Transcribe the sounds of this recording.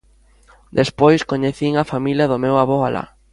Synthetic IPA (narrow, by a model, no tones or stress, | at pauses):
d̪espojskoɲeθiŋɐfamiljɐðʊmewaβɔala̰